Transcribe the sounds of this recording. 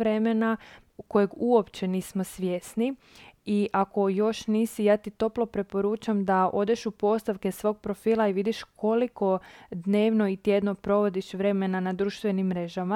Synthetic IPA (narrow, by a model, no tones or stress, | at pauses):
ɾe̞mena | ko̞jeɡuo̞pt͡ɕe̞niːsmo̞sʋje̞sniiʔako̞jo̞ʃniːsijaːt̪it̪o̞plo̞pɾe̞po̞ɾuːt͡ʃamd̪aʔo̞d̪je̞ʃupo̞st̪aʋke̞sʋo̞ːɡ̚pɾo̞fiːlˠaiʋid̪iʃkʰo̞liko̞d̪ne̞ːʋno̞it̪je̞d̪no̞pɾo̞ʋo̞d̪iʃʋɾe̞me̞nanad̪ɾuːʃt̪ʋe̞nimːɾe̞ʒama